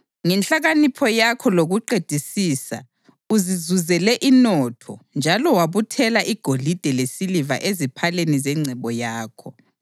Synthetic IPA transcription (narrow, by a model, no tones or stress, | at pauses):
ŋɛnt͡ɬaɣanipʰɔjakʰɔloɣuǃed̥ʱisiːsa̰ | uzizuzɛlɛʔinɔtʰɔnd͡ʒʱalɔwaβutʰɛlaʔiɡ̥ʱolid̥ʱɛlesiliva̰ʔezipʰalenizɛŋ͡ǀʱɛβɔjaːkʰɔ